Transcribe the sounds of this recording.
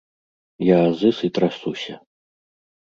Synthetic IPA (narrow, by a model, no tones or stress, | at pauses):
jaːzɨsɨt̪ɾasusʲɐ